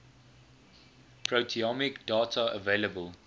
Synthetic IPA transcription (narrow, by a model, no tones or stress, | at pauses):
pʰɹotʰiɔmɪkd̥ɑːtʰəə̰veːləbəl